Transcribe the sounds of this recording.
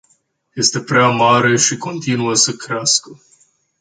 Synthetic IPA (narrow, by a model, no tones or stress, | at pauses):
je̞st̪e̞pɾeamaɾe̞ʃiko̞nt̪inuəsəkɾeaskə